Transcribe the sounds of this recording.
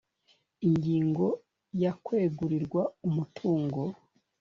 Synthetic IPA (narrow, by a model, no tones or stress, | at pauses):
iɲɡiːŋɡo̞ | jakweːɡuɾiɾɡwaumutʰuːŋɡo